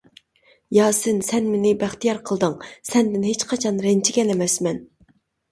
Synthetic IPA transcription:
jɑːsɨnsɛnmɪnɪbæχt̪ijɑɾqʰəlˠd̪ɨŋsɛnd̪ɪnɦet͡ʃqʰɑt͡ʃʰɑnɾɛnt͡ʃʰiɡʲɛnɛmɛsmɛn

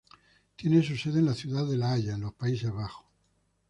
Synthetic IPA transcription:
t̪je̞nes̬use̞ðenlaθjuðaðe̞laaʝaenlo̞spais̬e̞zβaxo̥

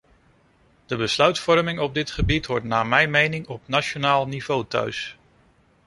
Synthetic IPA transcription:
d̥əbəslœɥtfɔɹmɪŋɔb̚dɪtχəbitʋɔɹtnaːmɛjmejnɪŋɔpnat͡ʃonaːlˠniv̥owtœ̰ɥs

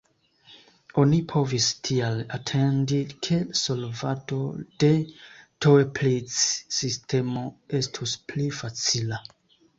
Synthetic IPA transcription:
o̞nipʰo̞vistʰialatʰe̞ndikʰe̞so̞lvato̞d̥e̞toeplit͡ssistʰe̞mo̞e̞stʰusplifat͡sila

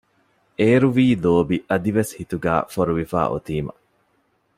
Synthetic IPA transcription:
ʔeːɾuʋiːloːbiʔɐd̪iʋeshit̪uɡæ̰ːfoɾuʋifa̰ːʔo̰t̪iːmɐ̰

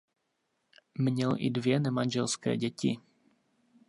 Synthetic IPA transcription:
mɲɛlʔɪ̰dvjɛnɛmanʲʒɛlskɛ̰ːɟɛcɪ

